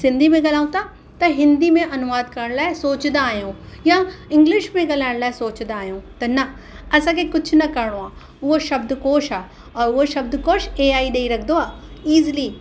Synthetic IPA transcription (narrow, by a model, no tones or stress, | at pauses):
sɪ̃nd̪ʱimẽɡɐlaːũt̪a | t̪ɐɦɪ̃nd̪imẽʔɐnʊʋaːd̪kɐɾəɽ̃laːɦɛsoːt͡ʃd̪aːjõːjãɪ̃ŋɡlɪʃmẽɡɐlaːɪɽlaːesoːt͡ʃd̪aːjõːt̪ɐnɐ | ɐsãkekʊt͡ʃʰnɐkɐɾɽ̃oaː | ʊoʃɐbd̪koːʃaː | ɔːɾoʃɐb̚d̪koːʃeːaːiɗeiɾɐkʰd̪oaːiːzli